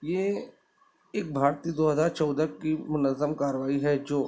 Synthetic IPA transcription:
jeː | ɪk̚bʱaːɾt̪iːd̪oːɦəzaːɾt͡ʃɔːd̪əkimʊnəzːəmkaːɾəʋaːiɦɛd͡ʒoː

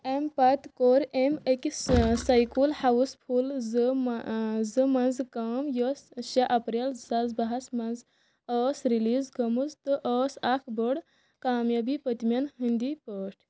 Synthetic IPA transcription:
empɐt̪koɾemɐkisɐjkulhɐʋuspʰulzɨ | zɨmɐnzkamjəsʃɐʔɐpɾelsɐzbɐɦɐsmɐnz | əːsɾiliːzɡɐmuzt̪ɨʔəːsakʰbəɽ | kaːmjɐbipət̪mjɐnɦind̪ipəʈʰ

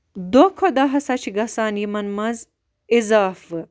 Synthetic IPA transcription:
d̪okʰod̪aɦɐsat͡ʃʰiɡɐsaːnjimɐnmɐz | izaːfɨ

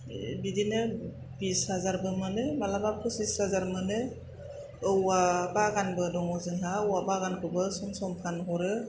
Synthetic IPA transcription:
bidinɯ | bishazaɾbɯmɯnɯmalabapʰɯsisazaɾmɯnɯ | ɯwabaɡanbɯdɔŋɔzɯŋɦaɯwabaɡankʰɯbɯsɔmsɔmpʰankɔɾɯ

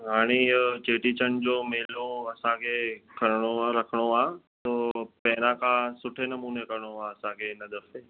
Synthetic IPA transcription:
ɦaːɽ̃it͡ɕeːʈit͡ɕənd͡ʑoːmeːloɐsãkʰeːkʰɐɾɽ̃oaɾɐkʰəɽ̃oaːt̪oːpɛːɾãkʰãsʊʈʰenɐmuːnekɐɾɽ̃oaɐsãkʰeɪnəd̪əfe

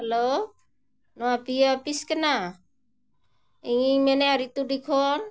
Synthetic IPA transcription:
helo | nowapijaapiskena | iŋimeneaɾit̪udikʰɔn

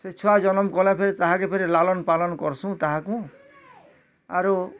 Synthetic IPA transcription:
set͡ʃʰuad͡ʒɔnɔmkɔlapʰeɾit̪aɦãkepʰeɾilalɔnpalɔnɔkɔɾsũt̪aɦãkũ | aɾu

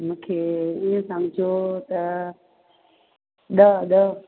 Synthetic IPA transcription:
mũːkʰeiə̃sə̃ŋd͡ʑʱot̪ə | ɗəɗə

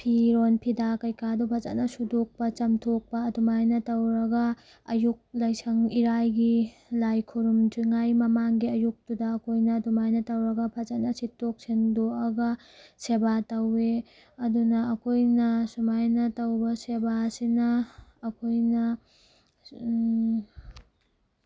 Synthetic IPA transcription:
pʰiɾonpʰidakɐjkadupʰaza̰tnɐsudok̚pɐt͡ʃɐmtʰok̚pɐːdumajnɐtɐwɾɐɡɐː | juk̚lɐjsɐŋiɾajɡi | lajkʰuɾumd͡ʒiŋajmɐmaŋɡiɐjuk̚tudɐːkʰojnɐdumajnɐtɐwɾɐɡɐpʰazatnɐsitːok̚sendoɐɡɐ | sebatɐwe | ɐdunɐːkʰojnɐsumajnɐtɐwbɐsebasinɐːkʰojnɐ

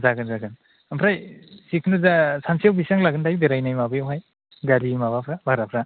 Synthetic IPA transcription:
zaɡɯnzaɡɯn | ampʰɾajsikʰnɯzasansiawbisaŋlaɡɯndajbeɾajnajmabɯjwɦaj | ɡaɾimaβapʰɾabaɾapʰɾa

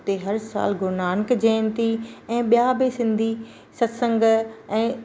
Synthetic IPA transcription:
t̪eɦɐɾsa̰ːlɡʱʊɾnaːnkd͡ʑɛ̃ːn̆t̪ʰiɛ̃ːɓijabɪsɪ̃nd̪ʱi | sɐsə̃ŋɡɛ̃ː

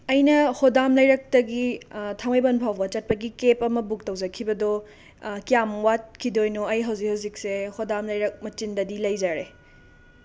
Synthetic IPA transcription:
ɐjnɐhodamlɐjɾɐk̚tɐɡitʰaŋɐjbɐnpʰawbɐt͡ʃɐt̚pɐɡikepɐmɐbuk̚tɐwzɐkʰibɐdɔ | kijamwat̚kʰidojnuɐjɦɐwzik̚hɐwzik̚sehodamlɐjɾɐk̚mɐt͡ʃindɐdilɐjzaɾe

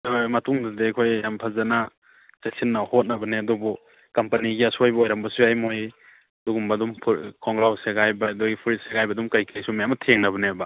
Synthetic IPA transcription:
amɐtuŋdadekʰojjampʰazana | sesinːahot̚nɐbɐneɐdubu | kɐmpɐniɡiɐsojbɐojɾambɐsuajmoj | duɡumbɐdumpʰkʰɔŋɡɾawseɡajbaduɡipʰuɾitseɡajbɐdumkajkʰejsumajamɐtʰeŋnɐβɐnebɐ

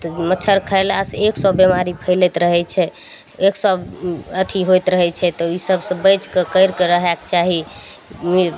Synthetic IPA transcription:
t̪ɔmət͡ʃʰəɾkʰəjlaseksɔbemaɾipʰəjlɛt̪ɾəɦɛt͡ʃʰɛ | eksɔbət̪ʰiɦojt̪ɾəɦɛt͡ʃʰɛt̪ɔisəbsə̃bəjt͡ʃkekəjɾkeɾəɦɛkt͡ʃaɦi | mi

